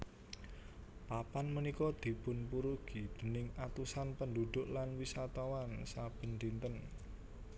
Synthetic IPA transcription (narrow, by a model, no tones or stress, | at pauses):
papanmənikɔd̪̥i̤pʊnpuɾuɡ̥i̤d̪̥ə̤nɪŋat̪usanpənd̪ud̪̥ʊʔlanwisat̪ɔwansab̥ə̤nd̪int̪ən